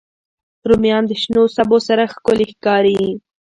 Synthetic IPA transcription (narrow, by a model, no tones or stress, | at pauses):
ɾumjɑnd̪əʃnosabosaɾaxkʊlexkɑɾii